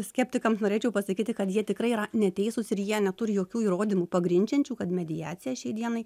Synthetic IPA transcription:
sʲkʲɛpʲt̪ʲɪkɐmsnoːɾʲeːt͡ʃʲɛʊpɐsɐkʲiːt̪ʲɪkɐt̪jiɛt̪ʲɪkɾɐɪiɾɐnʲɛt̪ʲɛɪsʊsɪɾjiɛnʲɛt̪ʊɾʲɪjoːkʲuːiːɾoːd̪ʲɪmuːpɐɡɾʲɪnʲt͡ʃʲɛnʲt͡ʃʲuːkɐt̪mʲɛd̪ʲɪjæːt̪sʲɪjæːʃʲɛɪd̪ʲiɛnɐɪ

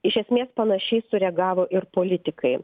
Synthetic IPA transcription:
ɪʃʲɛsʲmʲeːspɐnɐʃʲɛɪsʊɾʲɛɡɑːʋoːʔɪɾpoːlʲɪt̪ʲɪkɐɪ

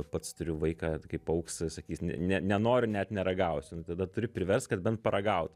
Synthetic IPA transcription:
pɐt̪st̪ʊɾʲʊʋɐɪkɑːkɐɪpɐʊkssɐkʲiːsʲnʲɛ̰nʲɛnʲɛnoːɾʲʊnʲɛt̪nʲɛɾɐɡɐʊsʲnʊt̪ɐd̪ɐt̪ʊɾʲʊpʲɾʲɪʋʲɛrst̪kɐt̪bʲɛnt̪̚pɐɾɐɡɐʊt̪

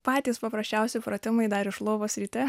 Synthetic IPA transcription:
pɑːt̪ʲiːspɐpɾɐsʲt͡ʃʲɛʊsʲɪpɾoːt̪ʲɪmɐɪd̪ɐɾɪʃlˠoːʋoːsʲɾʲit̪ʲɛ

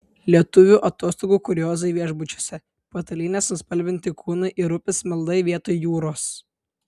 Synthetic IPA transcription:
lʲiɛt̪ʊʋʲuʔɐt̪oːst̪oːɡuːkʊɾʲjoːzɐɪʋʲiɛʒbʊt͡ʃʲo̥ːsʲɛ | poːt̪ɐlʲiːnʲeːsʊspɐlʲbʲɪnʲt̪ʲɪkʰuːnɐɪʔɪɾʊpʲɪsmʲɪlˠd̪ɐɪʋʲiɛt̪oːjjuːɾoːs

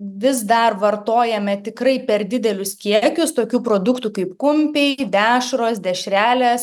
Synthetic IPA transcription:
ʋʲɪsd̪ɐrʋɐrt̪oːjɛmʲɛt̪ʲɪkrɐɪpʲɛrd̪ʲɪd̪ʲɛlʲʊskʲiɛkʲʊst̪oːkʲuːpɾoːd̪ʊkt̪uːkɐɪpkʊmʲpʲɛɪd̪ʲæːʃɾoːsd̪ʲɛʃʲɾʲæːlʲeːs

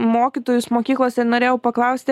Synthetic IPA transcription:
moːkʲit̪oːjʊsmoːkʲiːklˠoːsʲɛnoːɾʲeːjɛʊpɐklˠɐʊsʲt̪ʲɪ

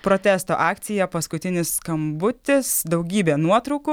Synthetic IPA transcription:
pɾoːt̪ʲæːst̪oːʔɑːkt̪sʲɪjɛpɐskʊt̪ʲɪnʲɪsskɐmbʊt̪ʲɪsd̪ɐʊɡʲiːbʲeːnuɔt̪ɾɐʊkʊ

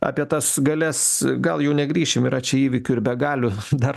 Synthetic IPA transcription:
ɑ̰ːpʲiɛt̪ɐsɡɐlʲɛsɡɐlˠjɛʊnʲɛɡɾʲiːʃʲɪmɪɾɐt͡ʃʲɛiːʋʲɪkʲʊɪɾbʲɛɡɑːlʲʊd̪ɐr

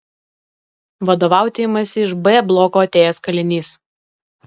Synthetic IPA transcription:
ʋɐd̪oːʋɑˑʊt̪ʲemɐsʲɪɪʃbɛblˠɔːkoːɐt̪ʲeːjɛskɐlʲɪnʲiːs

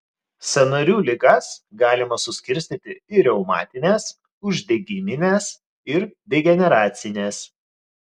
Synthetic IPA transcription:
sʲɛnɐɾʲuːlʲɪɡɐsɡɑːlʲɪmɐsʊsʲkʲɪɾʲsʲt̪ʲit̪ʲɪɪɾʲɛʊmɑ̰ːt̪ʲɪnʲeːs | ʊʒʲd̪ʲɛɡʲɪmʲɪnʲes | ɪɾd̪ʲɛɡʲɛnʲɛɾɑːt̪sʲɪnʲeːs

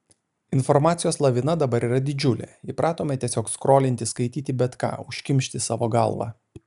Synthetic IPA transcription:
ɪnfɔɾmɑːt̪sʲɪjoːslˠɐʋʲɪnɐd̪ɐbɐɾiːɾɐd̪ʲɪd͡ʒʲʊlʲɛ̰ipɾʔɑːt̪oːmʲet̪ʲiɛsʲoːkskɾoːlʲɪnʲt̪ʲɪskɐɪt̪ʲiːt̪ʲɪbʲɛt̪kɑ̰ːʊʃʲkʲɪmʲʃʲt̪ʲɪsɑːʋoːɡɐ̰lˠʋɑ̰ː

